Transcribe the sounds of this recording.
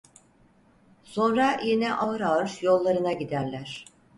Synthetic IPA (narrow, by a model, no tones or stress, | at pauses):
so̞nɾajinɛʔaɯɾaɯɾjo̞lˠːaɾɯnaɟid̪æɾlʲæɾ̥